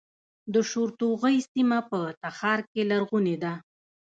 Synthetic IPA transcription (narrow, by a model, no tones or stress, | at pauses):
d̪əʃoɾt̪oɣəjsimapət̪axɑɾkelaɾɣuned̪a